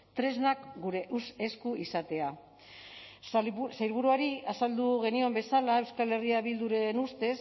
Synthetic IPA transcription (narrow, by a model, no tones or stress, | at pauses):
t̪ɾe̞znakɡuɾe̞ʔuse̞skuisat̪e̞a | sajɾβuɾuaɾiasald̪uɣ̞e̞nio̞mbe̞salae̞wskale̞riaβild̪uɾe̞nust̪e̞s